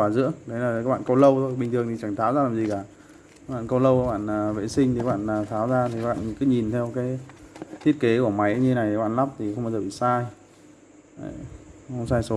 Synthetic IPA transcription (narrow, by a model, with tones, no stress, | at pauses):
waː˧˩zɨ̰˧˥əkɗə˨˦jla˨˩˨kaː˦k̚ɓa̰ː˧˨ko˧wlə˧wt̪ʰo˧jɓï̟˨˩t̪ɨ˨˩əŋt̪i˨˩t͡ɕa˧˩ŋt̪ʰaː˨˦wzaː˧laː˨˩mzi˨˩kaː˧˩˦ | ɓa̰ː˧˨nko˧lə˧wa˦kɓa̰ː˧˨nː˨˩vḛ˧˥sï˧ŋ̟t̪i˨˩ka˦ɓa̰ː˧˨nː˨˩t̪ʰaː˨˦wzaː˧t̪ʰi˨˩˦ɓa̰ː˧˨nkɨ˨˦ɲi˨˩nt̪ʰɛ˧wkaː˨˦jt̪ʰi˦˥ət̚ke˨˦ku˧˩əma˨˦jɲɨ˧˦na˨˩j̪ɓ̰ːnla˦˥p̚t̪ʰi˨˩xə˧ŋ͡mmə˨˦zə˨˩ɓḭ˧˨saː˧j | xə˧ŋ͡msaː˧jso˨˦